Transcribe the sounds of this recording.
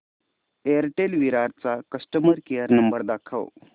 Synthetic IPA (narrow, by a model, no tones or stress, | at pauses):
eəɾʈelʋiɾaɾt͡sakəsʈəməɾkejəɾnəmbəɾd̪akʰə̰w